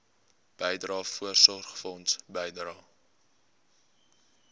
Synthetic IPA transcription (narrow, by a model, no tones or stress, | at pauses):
b̥əjdrɑːfuərsɔrχfɔnsbəjdrɑː